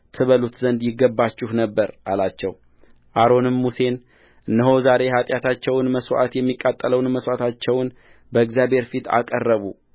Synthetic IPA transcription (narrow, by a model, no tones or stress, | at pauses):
t̪ʰɨβəlut̪zənd̪jɪɡːəbːat͡ʃːɪhnəbːəɾʔalat͡ʃːɛ̰w | ʔaɾo̞nɨmːuse̞n | ʔɨnːəɦo̞zaɾe̞ɦat̪ʼjat̪ʰat͡ʃːɛwnməswa̰t̪jɛmːikʼːat̪ʼːələwnməswat̪ʰat͡ʃːɛwn | bəɨɡzjabe̞ɾfit̪ʰa̰kʼərːəβu